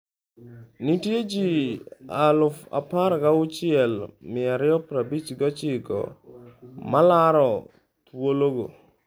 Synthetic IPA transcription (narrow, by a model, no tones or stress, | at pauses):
nitjed͡ʒialʊfa̰paɾkaʊt͡ʃɪɛlmɪaɾɪjɔpɾabit͡ʃɡɔt͡ʃɪkɔ̰ | malaɾɔ | t̪woloɡo̰